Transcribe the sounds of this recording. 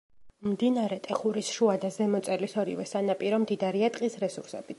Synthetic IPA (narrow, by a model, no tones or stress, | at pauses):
md̪inaɾɛt̪ʼɛχuɾisʃuad̪azɛmɔt̪sʼɛlisɔɾḭvɛsanapʼiɾɔmd̪id̪aɾiat̪ʼqʼisɾɛsuɾsɛ̰b̥i